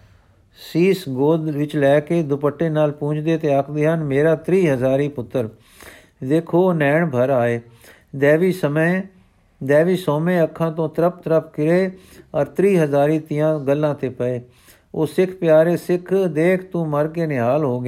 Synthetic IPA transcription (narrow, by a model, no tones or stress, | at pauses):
siːsɡoːd̪ʋɪt͡ʃlɛːkeːd̪ʊpəʈːeːnaːlpũːt͡ʃd̪eːt̪eːəkʰd̪eːɦənmeːɾaːt̪ɾiːɦəzaːɾiːpʊt̪ːəɾ | d̪eːkʰoːnɛːɳbʱəɾaːeː | d̪ɛːʋiːsəmə | d̪ɛːʋiːsoːmẽːəkʰːãːt̪õːt̪əɾəp̚t̪əɾəp̚ʰkɪɾeːəɾt̪ɾiːɦəzaːɾiːt̪ɪjãːɡəlːãːt̪eːpəeː | oːsɪkʰpɪjaːɾeːsɪkʰd̪eːkʰt̪ũːməɾkeːnɪɦaːlɦoːɡeː